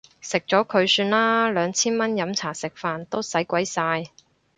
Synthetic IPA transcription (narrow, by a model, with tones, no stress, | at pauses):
sɪ˨k̚t͡sɔː˨˥kʰɵ˨˧ɥsyː˧nlaː˥lœː˨˧ŋt͡sʰiː˥nmɐ˥njɐ˨˥mt͡sʰaː˨˩sɪ˨k̚faː˨nt̪o˥wsɐ˨˥jkʷɐ˨˥jsaː˧j